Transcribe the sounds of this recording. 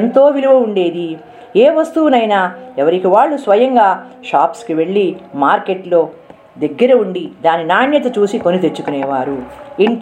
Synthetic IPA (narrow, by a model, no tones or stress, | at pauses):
nt̪o̞ːʋiluʋɐuɳɖe̞ːd̪i | eːʋɐst̪uwunɐjnaːɛʋɐɾikiʋaːɭːusʋɐjɐŋɡaːʃaːpskiʋe̞ɭːimaːɾke̞ʈlo̞ː | d̪eɡːɐɾɐuɳɖid̪aːninaːɳjɐt̪ɐt͡ʃuːsiko̞nit̪et͡ʃːukunɛːʋaːɾuen